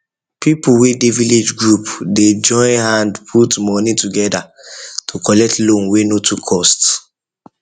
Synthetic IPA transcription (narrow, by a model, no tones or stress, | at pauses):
pipuwedeviled͡ʒɡɹupded͡ʒɔ̃ɪ̃nhãndpʰutmɔnituɡɛdatʰukɔlɛk̚tlõnwenotʰukʰːɔst